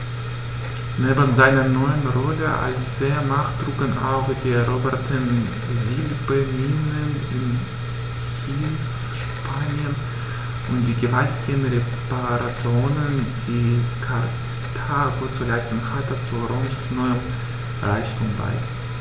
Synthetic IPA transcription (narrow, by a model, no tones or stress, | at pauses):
neːbənzaɪnɐnɔʏənʁɔləʔa̰lizeɐmaχd̥ʁuːkəna̰ʊxd̥iːʁobɛɐtʰən | zilbəninən | ɪn | çiːns | ʃ | paːnjən | ʔʊntd̥iːɡəvaltɪɡənʁepaʁat͡sjoːnənd̥iːkʰaʁ | tʰaːɡot͡sulaɪstn̩hatət͡suʁɔmsnɔʏəm | ʁaɪçtʰuŋba̰ɪ